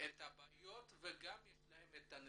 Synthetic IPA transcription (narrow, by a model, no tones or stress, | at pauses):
ʔet̪habajot̪veɡamjɛʃlahemet̪an